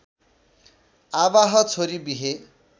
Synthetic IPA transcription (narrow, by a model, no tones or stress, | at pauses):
aβaɦʌt͡sʰoɾibiɦe